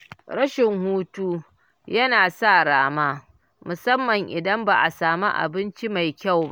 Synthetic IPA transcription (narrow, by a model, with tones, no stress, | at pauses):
ɽɐ˦ʃɪ˨ŋhuː˦tuː˦ | jɐ˦naː˨sa˦˨ɽaː˦maː˦ | mʊ˨sɐ˦mːɐ˨ŋʔɪ˨dɐ˦mbaː˨ʔa˨saː˨mi˦ʔa̰˨bɪ˦nt͡ʃi˦ma˨jkʲa˦˨wba˦ʔ